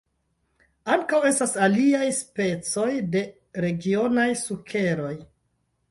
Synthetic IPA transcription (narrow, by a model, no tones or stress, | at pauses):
aŋkawe̞stasaliajspe̞t͡so̞jde̞ | ɾe̞ɡio̞najsukʰe̞ɾo̞j